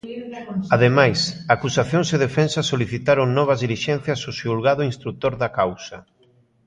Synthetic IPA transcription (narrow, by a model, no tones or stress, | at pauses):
aðemajsaːkusaθjoŋseðefɛnsasoliθit̪aɾoŋnɔβ̞ɐzðiliʃɛn̟θjɐsosiulɣaðʊinst̪ɾut̪oɾðakawsɐ